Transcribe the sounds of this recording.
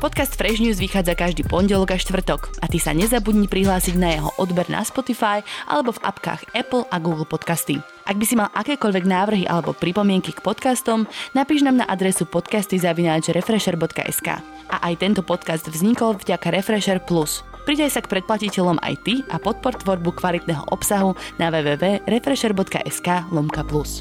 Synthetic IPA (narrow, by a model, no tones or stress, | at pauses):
pɔt̪kast̪fɾɛʒɲuːzʋixaːd͡zakaʒd̪iːpɔɲɟɛlɔɡaʃt̪ʋr̩t̪ɔkʔat̪isa̰ɲɛzabudɲicpɾiɦlaːsiɟnajɛɦɔ̰ʔɔd̪bɛɾnʔa̰spɔt̪ifajʔa̰lɛbɔva̰pka̰ːxɛpl̩ˠaɡuːɡl̩ˠpɔt̪kast̪i | ʔaɡ̚bisimalʔakɛːkɔʎʋɛɡnaːʋr̩ɦiʔa̰lɛbɔpɾipɔmɪɛŋkikpɔt̪kast̪ɔmnapiːʒnaːmna̰ʔad̪ɾɛsupɔt̪kast̪izaʋinaːd͡ʒɾɛfɾɛʃɛɾbɔt̪ka̰ʔɛ̰ska̰ː | ʔaʔajt̪ɛnt̪ɔpɔt̪kazd̪vzɲikɔlˠvɟakaɾɛfɾɛʃɛɾplus | pɾid̪ajsakpɾɛt̪̚placicɛʎɔma̰jt̪iʔapɔt̪̚pɔɾt̪ʋɔɾbukʋalit̪nɛːɦɔ̰ʔɔpsaɦunaʋɛːʋɛːʋɛːɾɛfɾɛʃɛɾbɔt̪ka̰ʔɛskaːlɔmkaplus